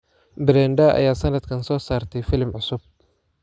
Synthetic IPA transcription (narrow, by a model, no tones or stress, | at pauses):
bɪɾɛːnd̪ɐʔɐ̰jaːsɐnɐd̪kʰɐnsɔːsaːrt̪ʰɛjfɪlɪmʕʊsʊb̚